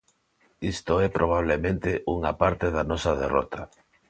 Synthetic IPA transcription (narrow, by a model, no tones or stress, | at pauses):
ist̪oɛpɾʔoβ̞aβ̞lemẽnt̪eʔuŋapaɾt̪eðanɔsɐðḛrɔ̰t̪ʰa